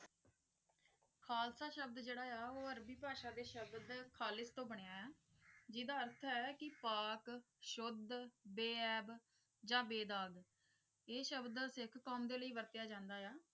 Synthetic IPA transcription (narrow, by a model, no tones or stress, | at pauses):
kʰaːlsaːʃəb̚d̪d͡ʒeːɽaːjaːoːəɾbiːpaːʃaːd̪eːʃəbd̪kʰaːlɪst̪õːbəɽɪjaːɛː | d͡ʒiːd̪aːəɾt̪ʰɦɛːkɪpaːk | ʃʊd̪beːɛːb | d͡ʒãːbeːd̪aːɡ | eːʃəbd̪sɪkʰkɔːmd̪eːləiːʋəɾt̪ɪjaːd͡ʒãːnd̪aːjaː